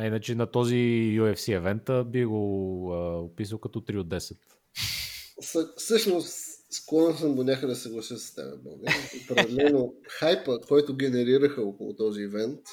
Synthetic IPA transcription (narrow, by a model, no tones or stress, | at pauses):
ɐinət͡ʃɛnɐt̪ɔzijuɛfsiɛvɛnt̪əbiɡoəopisəlˠkɐt̪ɔt̪ɾiod̪ɛsɛt̪ | səsɤʃnossklˠɔnɛsəmɡonʲakəd̪ɐsɛɡlˠɐsisə̥st̪ɛ̰bɛ̰bɔ̰ɡəopɾɛd̪ɛlɛnoxajpəkɔjt̪ʊɡʲɛnɛɾiɾəxəɔkʊlˠo̰t̪ɔziɛvɛnt̪